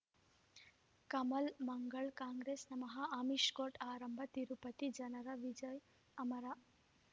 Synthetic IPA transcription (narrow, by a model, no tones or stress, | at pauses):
kɐmɐlmɐŋɡɐɭkaːŋɡɾeːsnɐmɐɦɐaːmiʂkoːʈaːɾɐmbʱɐt̪iɾupɐt̪id͡ʒɐnɐɾɐʋid͡ʒɐj | ɐmɐɾa